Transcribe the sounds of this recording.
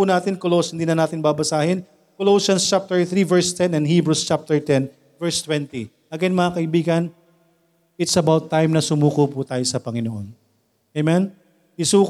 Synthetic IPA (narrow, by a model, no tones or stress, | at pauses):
unaːt̪ɪnkoloshɪnd̪iːnɐnaːt̪ɪnbabɐsaːhɪn | koloːʃɐnst͡ʃap̚t̪ɛɹθɾivɛɹst̪ɛnɐnɦiːbɹust͡ʃap̚t̪ɛɹt̪ɛn | vɛɹst̪wɛnt̪i | ʔɐɡɛnmɐŋakɐʔɪbiːɡɐn | ɪt̪sɐbawt̪ːajmnɐsʊmuːkoput̪aːjosɐpɐŋɪnoʔo̰n | ɐjmɛn | ʔɪsuːk